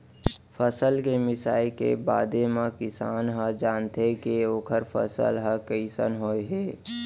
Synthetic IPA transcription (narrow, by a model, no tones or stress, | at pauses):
pʰəsəlkemɪsaːikḛbaːd̪ʱemãkɪsaːnɦəd͡ʒaːnt̪ekeoːkʰəɾpʰə̰sə̰lɦəkəɪsə̰nɦoːeɦeː